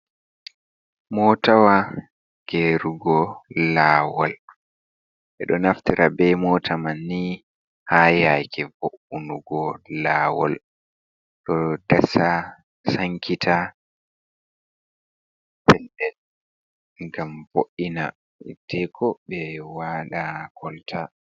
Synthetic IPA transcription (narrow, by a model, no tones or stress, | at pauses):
mɔtawa | ɡ̥eɾuɡɔlaːwal | ɓɛɗɔnaftiɾʔabɛmɔːtʰamanːi | hajajkʰɛvoʔunuɡɔlaːwɔl | ɗɔd̥asa | saŋkʰitʰa | pɛlɗɛl | ŋɡamvoʔina | ɛtʰɛkʰɔɓɛwaːɗakʰɔltʰa